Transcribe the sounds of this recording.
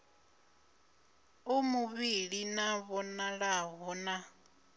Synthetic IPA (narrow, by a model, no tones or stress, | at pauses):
omuβiɺinaβɔnaɺaɦɔːna